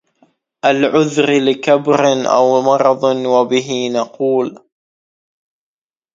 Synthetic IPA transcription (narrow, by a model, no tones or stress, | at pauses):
ʔalʕʊðɾlɪkabɾɪnʔa̰wmɑɾˤɑðˤwabɪɦɪnɑquːl